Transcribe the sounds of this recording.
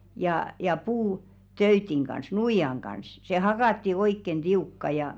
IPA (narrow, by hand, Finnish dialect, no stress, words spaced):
jɑˑ jɑ puː tøytiŋ ɡ̊ɑns nuijɑŋ ɡ̊ɑns se hɑkɑˑtːi oikːen d̥iukːɑ jɑ